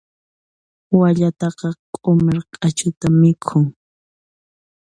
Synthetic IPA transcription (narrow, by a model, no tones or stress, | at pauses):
waʎat̪ɑqɑqʼʊmɪɾkʼat͡ʃʊt̪amɪkʰʊŋ